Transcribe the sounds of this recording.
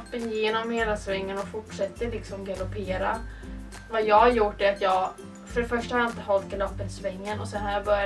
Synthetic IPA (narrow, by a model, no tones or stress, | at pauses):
pːəjeːnɔmheːlasvɛŋːənɔfʊʈʂɛt̪ːəlɪksɔmɡalʊpʰeːɾa | vajɑːhajʊʈːɛat̪ʰjɑːɡ | fœɾɛfœʂʈahaɾjaɪnt̪əɦɔlt̪̚ɡalɔpːət̪svɛŋːənɔsɛnhaɾjabœɾja